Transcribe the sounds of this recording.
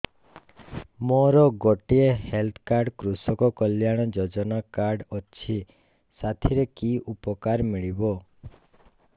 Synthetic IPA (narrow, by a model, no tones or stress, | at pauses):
moɾɔɡɔʈiehelt̪ʰkaɾɖkɾusɔkɔkɔljaɽ̃ɔd͡ʒɔd͡ʒɔnakaɾɖɔt͡ʃʰi | sat̪ʰiɾekiʔupɔkaɾmiɭibɔ